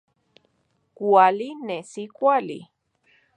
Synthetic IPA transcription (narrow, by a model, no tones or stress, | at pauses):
kualinesikʷalḭ